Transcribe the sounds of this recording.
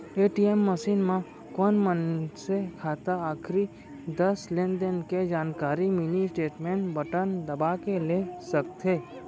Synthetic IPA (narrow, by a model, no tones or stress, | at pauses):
eʈiemːəsinmã | kɔnmənsekʰat̪aːkʰɾi | d̪əslẽnɖ̪ənked͡ʒaːnkaɾiminisʈeːʈmeɳʈbəʈənd̪əbakelesəkt̪ʰe